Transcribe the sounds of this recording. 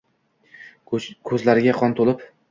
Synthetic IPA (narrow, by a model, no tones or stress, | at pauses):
kʰɵzlaɾɪɡʲaqʰɒnt̪ʰolˠɪp